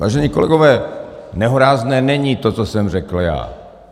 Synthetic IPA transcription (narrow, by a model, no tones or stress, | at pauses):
vaːʒɛɲiːko̞lɛ̰ɡovɛːnɛɦoɾaːznɛːnɛɲit̪o̞t͡sosɛmrɛkl̩ja̰ː